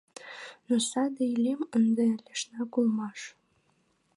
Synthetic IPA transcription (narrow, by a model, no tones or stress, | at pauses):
nosɑd̪eilemənd̪elʲeʃnɑkulmɑʃ